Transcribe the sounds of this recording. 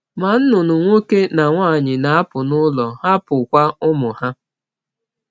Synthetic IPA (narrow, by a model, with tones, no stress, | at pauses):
ma˨n̩˦nʊ˨nʊ˨ŋʷo˦ke˦na˨ŋʷaː˦˨ɲɪ˨na˨a˦pʊ˨nʊ˦lɔ˨ha˦pʊ˨kʷa˦ʊ˦mʊ˨ha˦